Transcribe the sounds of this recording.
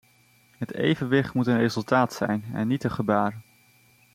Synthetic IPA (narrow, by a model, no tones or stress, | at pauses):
ɦətḛjvənʋɪχtmutənrejzɵlˠtaːtsɛ̰jnɛ̰nːitəχəbaːr